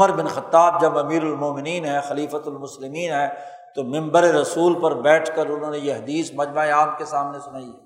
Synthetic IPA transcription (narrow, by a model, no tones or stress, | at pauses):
ʊməɾbɪnxɐt̪ːaːb̚d͡ʒɐbɐmiːɾɐlmoːmɪniːnɦɛxɐliːfət̪ʊlmʊslɪmiːnɦɛː | t̪omɪ̃mbəɾeɾɐsuːlpɐɾbɛːʈʰkɐɾʊnɦõːnejeɦɐd̪iːsmɐd͡ʒmaeaːp̚kesaːmnesʊnaːiɛ